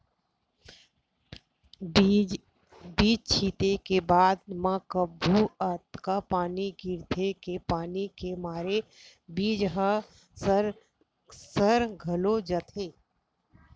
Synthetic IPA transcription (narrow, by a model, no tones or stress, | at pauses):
biːd͡ʒt͡ʃʰiːt̪ekebaːd̪mãkəbʱːuət̪kapaːniɡɪɾd̪ʰʱekepaːnikemaːɾe | biːd͡ʒɦə | sɾ | səɾɡʱəlod͡ʒət̪ʰeː